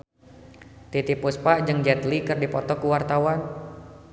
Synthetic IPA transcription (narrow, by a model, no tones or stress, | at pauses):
t̪it̪ipuspaʔd͡ʒɨŋd͡ʒɛt̪likɨrdipɔt̪ɔkuwart̪awan